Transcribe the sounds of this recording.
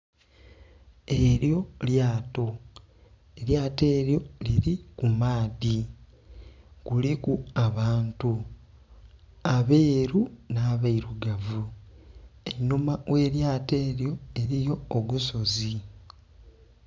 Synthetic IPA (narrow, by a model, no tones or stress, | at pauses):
e̞ɾjo̞ljaːto̞ | eɾjaːte̞ːɾjo̞liɾikumaːði | kulikuaβaːntu | aβe̞ːɾunaːβaiɾuɡavu | enomawʔe̞ːɾjaːte̞ːɾjo̞e̞ɾijo̞ːɡuso̞zi